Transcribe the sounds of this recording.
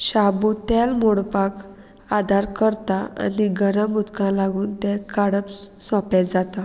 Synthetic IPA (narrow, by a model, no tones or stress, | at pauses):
ɕabut̪almoɽpak | ad̪ʱaɾkəɾt̪aa̰niɡəɾəmut̪kãlaɡuːnt̪ɛkaɽəpssɔ̃pɛt̪d͡zat̪a